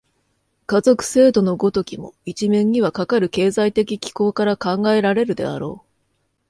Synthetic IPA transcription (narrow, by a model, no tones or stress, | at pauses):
kazo̞kɯ̟̥se̞ːd̪o̞no̞ɡo̞t̪o̞kʲimo̞̰it͡ɕimẽ̞ɲ̟ɲ̟iβakakaɾɯ̟ke̞ːzait̪e̞kʲikʲi̥ko̞ːkaɾakãŋɡae̞ɾaɾe̞ɾɯ̟d̪e̞̰a̰ɾo̞ː